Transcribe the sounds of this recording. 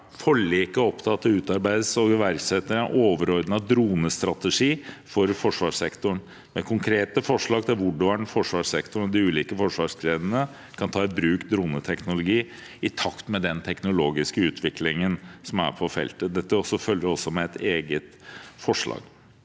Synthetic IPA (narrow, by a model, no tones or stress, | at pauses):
fɔɭikəɔpt̪ʰɑt̪ːəʉːt̪ɑɾbæɪd̪sɔɡʋæɾɡsɛt̪ːəɾnʔoːʋəɾɔɾd̪nɑd̪ɾuːnəst̪ɾɑt̪əʂiːfɔɾfɔʂʋɑːʂsɛkt̪ʊɳ | mɛkʰʊŋkʰɾeːt̪əfɔʂɭɑːɡ̚t̪ʰɪlʋʊɖɑɳfɔʂʋɑʂsɛkt̪ʊɳɔd̪ɪʉːliːkəfɔʂʋɑːʂkʰɾeːd̪ənə | kʰɑnt̪ʰɑːɛt̪̚bɾʉːkd̪ɾuːnət̪ʰɛknʊlʊɡiː | ɪt̪ʰɑkt̪mɛd̪ɛnt̪ʰɛknʊloːɡɪskəʉːt̪ʰʋɪklɪŋənsɔmæ̰ɾpʰɔfɛ̰lt̪əd̪ɛt̪ːəɔsɔfœljəɾɔsɔmɛɛt̪eːɡət̪fɔʂɭɑ̰ːɡ̥